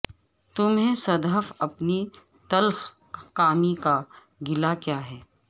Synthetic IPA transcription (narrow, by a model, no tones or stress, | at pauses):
t̪ʊmɦẽsɐd̪ɦəfɐpni | t̪ɐlx | kaːmika | ɡɪlakjaːɦɛː